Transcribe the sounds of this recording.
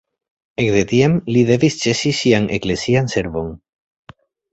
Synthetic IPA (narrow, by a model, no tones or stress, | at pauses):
ekðet̪iemliðeβist͡ʃesisiaŋʔḛklesianseɾβoŋ